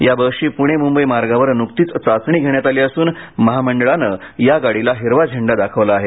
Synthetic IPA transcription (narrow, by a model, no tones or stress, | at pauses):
jabəʂiːpuɽ̃emumbəjmaɾɡaʋəɾnukt̪iːt͡st͡sat͡sɳ̃iːɡʱeɽɳjat̪aliːəsuːnməɦaməɳɖəɭanə | jaɡaɽilaɦiɾʋad͡ʑʱəɳɖad̪akʰəʋlaːɦe